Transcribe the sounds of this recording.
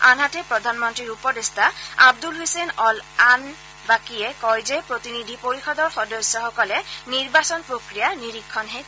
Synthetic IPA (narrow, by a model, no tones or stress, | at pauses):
anɦatɛpɹɔd̪ʱanmɔntɹiɹupɔdestaab̚dulɦojsenɔlan | bakijɛkɔjzɛpɹot̪inid̪ʱipoɹixɔdɔɹxɔdɔsːɔxɔkɔlɛniɹbasɔnpɹokɹijaniɹikʰːɔnɦe